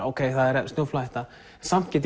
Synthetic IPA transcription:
oːwkʰeːjθaðɛɾɛst̪owflaajht̪a | sam̥t̪̚cʰɛt̪

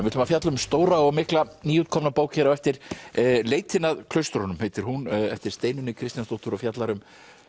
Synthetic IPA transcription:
mɪt̪lʏmafjat̪lʏmst̪oːwɾaɔɣmɪhklaniːuːt̪̚kʰɔmnapoːwcʰɛɾawɛft̪ɪɾ̥leːjt̪ʰɪnaðkʰlœɥst̪ɾɔnʏmheːjt̪ɪɾ̥hunɛft̪ɪɾ̥st̪eːjnʏnɪkʰɾɪst̪jnast̪owht̪ʏɾɔfjat̪laɾʏm

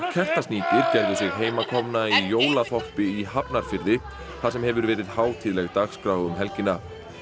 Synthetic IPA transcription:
cʰɛr̥t̪ast̪niːt̪ɪɾcɛɾðʏsɪɣɦeːjmakʰɔmnaijoːwlaθɔhpɪiɦapnaɾ̥fɪɾðɪ | θasɛmhɛvʏɾvɛːɾɪðhaːwt̪ʰiðlɛɣt̪axskɾaːwʏmɦɛlcɪnːa

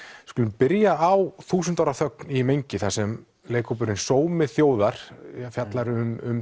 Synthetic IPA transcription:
skʏlʏmpɪɾjaawθuːsʏnt̪awɾaθœk̚nimejɲcɪθasɛm | leːjkɔp̬ʏɾɪnsoːwmɪθjoːwðaɾ̥afjat̪laɾʏmʏm

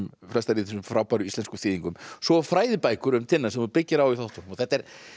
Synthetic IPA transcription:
mflɛst̪aɾiðθɛs̬ʏmfɾaːwpaːɾʏist̪ɛnskʏmθiːðiŋkʏmsɔfɾaːjðɪpajkʏɾʏmt̪ʰɪnːasɛmvɔpɪcːɪɾawiθaht̪ɔmɔθɛht̪ːɛɾ̥

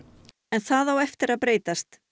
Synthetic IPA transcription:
ɛnθaðawɛft̪ɪɾaðpɾeːjt̪ast̪

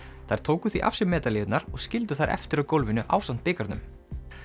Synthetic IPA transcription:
θajɾ̥t̪ʰoːwkʏθviʔa̰fsɪmːɛːt̪alɪːvɪt̪naɾɔɣscɪlt̪ʏ̥θajɾʔɛ̰ft̪ɪɾakowlvɪnʏʔa̰ːwsan̥t̪pɪːkaɾt̪nʏ̰m

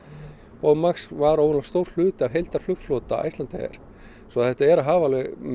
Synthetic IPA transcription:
poðmːaksvaɾoːwnlast̪owɾ̥l̥ʏːt̪ɪavɦejlt̪aɾ̥flʏxfloːt̪a̰a̰jslant̪ɛ̰jɛ̰ɾ̥ | sɔθɛht̪aɛɾaɦaːvalʏ

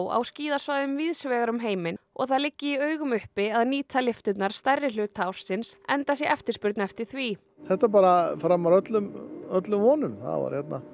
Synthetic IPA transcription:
wa̰wsciːðasvaːjðʏmvɪðsvɛːɣaɾʏmɦeːjmɪnɔ̰ɣθaðlɪcːɪiœːɥɣʏmʏhpɪaðniːt̪ʰalɪft̪ʏt̪naɾ̥st̪ajrːɪlʏːt̪hawsːɪnsɛnt̪asjɛɣʔɛft̪ɪɾ̥spʏɾt̪nɛft̪ɪɾ̥θvi | θɛht̪ːap̬aːɾafɾamːaɾœt̪lʏmœt̪lʏmvɔːnʏmθa̰va̰ɾ̥çjɛt̪na̰

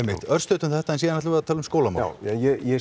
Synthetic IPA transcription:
mɪht̪œɾ̥st̪œːt̪ʏmθɛht̪aɛnsiːðanɛt̪ɾvɛɾðat̪ʰaːlʏmskoːwlama̰ljɛjɛ

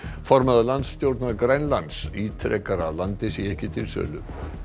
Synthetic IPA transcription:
fɔɾmaðʏlant̪st̪jowɾt̪naɾkɾajnlant̪siːt̪ʰɾɛkaɾaðlant̪ɪsɛɛhcɪt̪ʰɪlsœ̰ːlʏ

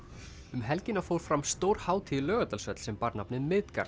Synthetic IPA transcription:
ʏmɦɛlcɪnafowɾ̥fɾamst̪oːwɾ̥haːwt̪ʰiɪlœːɣat̪alsœt̪lsɛmpat̪napnɪðmɪðt̪ka̰̥

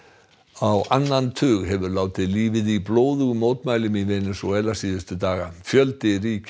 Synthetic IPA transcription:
awʔanːant̪ʰʏːɣɦɛvʏɾlaːwt̪ɪðliːvɪðiploːwðʏɣʏmoːwt̪maːjlɪmivɛːnɪsɔɛlasiːðʏst̪ɪt̪aːɣafjœlt̪ɪriːc

